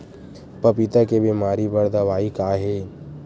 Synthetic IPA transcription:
pɐpit̪akebimaːɾibəɾd̪aʋaːikaːɦeː

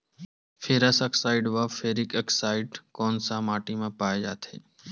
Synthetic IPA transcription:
fʰeːɾasəksaːɪɖʋaːfʰeːɾɪkəksaːɪɖkɔːnsãːmaːʈimẽpaːed͡ʒaːt̪ʰḛː

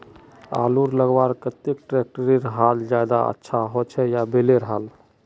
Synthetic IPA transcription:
a̰luɾləɡbaɾkət̪ekʈɾek̚ʈəɾiɾəɦald͡ʒad̪a̰ə̰tːʃʰaɦot͡ʃʰɛjabeleɾəɦəl

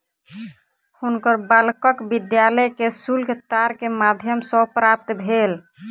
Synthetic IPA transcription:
hunkəɾbəlkəkbid̪jaləjkesulɡt̪aɾkemad̪ʱjəmsɔ̃pɾap̚t̪bʱel

